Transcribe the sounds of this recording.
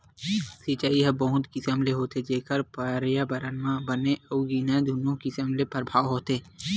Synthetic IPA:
sit͡ʃaiɦəbəɦʊ̃t̪kisəmleɦoːt̪ed͡ʒeːkəɾpəɾjabəɾənʋãbəneəuɡinɛ̃d̪ʱʊnõkisəmlepəɾbʱaːʋɦoːt̪eː

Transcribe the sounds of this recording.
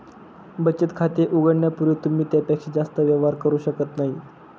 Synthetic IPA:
bət͡ɕət̪kʰat̪eʔuɡəɽɳjapuɾiːt̪um̤iːt̪japækʂed͡zast̪əʋjəʋaɾkəɾuːɕəkət̪naɦi

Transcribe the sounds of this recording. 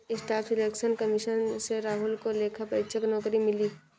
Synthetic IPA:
ɪsʈaːfʰɪleːkʃənkəmɪʃənseɾaːɦʊlkoleːkʰapɐɪt͡ʃʰəknɔːkɾimɪliː

